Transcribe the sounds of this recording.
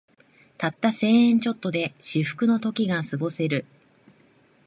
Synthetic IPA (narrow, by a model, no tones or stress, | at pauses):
t̪at̪ːase̞ːẽɲ̟t͡ɕo̞t̪ːo̞d̪e̞ɕiɸɯ̟̥kɯ̟no̞t̪o̞kʲiɡasɨɡo̞se̞ɾɯ̟